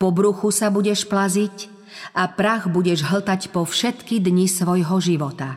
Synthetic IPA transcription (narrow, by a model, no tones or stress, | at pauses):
pɔbɾuxusabuɟɛʃplazic | ʔapɾaɣbuɟɛʒɦl̩t̪acpɔfʃɛt̪kid̪ɲisʋɔjɦɔʒiʋɔt̪a